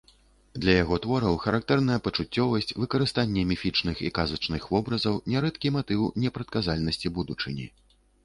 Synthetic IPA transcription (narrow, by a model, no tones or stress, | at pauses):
d̪lʲɐjaɣɔt̪vɔɾɐwxɐɾak̚t̪ɛrn̪ɐjɐpɐt͡ʂut͡sʲːɔvɐsʲt͡sʲvɨkɐɾɨst̪anʲːɛmʲifʲit͡ʂnɨxikazɐt͡ʂnɨxvɔbɾɐzɐwnʲɛɾɛt̪kʲimat̪ɨwnʲɛpɾɐt̪̚kazalʲnɐsʲt͡sʲibud̪ut͡ʂɨ̰nʲḭ